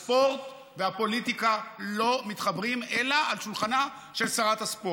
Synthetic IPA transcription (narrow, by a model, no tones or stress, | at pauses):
spo̞ʁt̪ | veapo̞lit̪ikalo̞mit̪χabʁimelaalʃulχana | ʃelsaʁat̪aspo